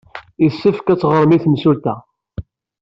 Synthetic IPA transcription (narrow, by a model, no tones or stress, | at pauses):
isːəfkæt͡sːʁəɾˤmiθmsult̪æ̰